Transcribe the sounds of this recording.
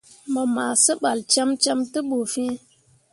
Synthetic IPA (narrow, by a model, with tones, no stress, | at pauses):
mə˨ma˨sə˦ɓa˨lt͡ʃa˦mt͡ʃa˦mtɨ˦ɓu˨fĩ˦